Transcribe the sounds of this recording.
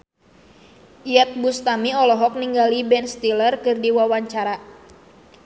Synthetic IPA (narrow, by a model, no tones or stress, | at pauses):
iat̪̚bust̪amiɔlɔɦɔk̚niŋɡalibɛnst̪ilərkɨrdiwawaɲt͡ʃaɾa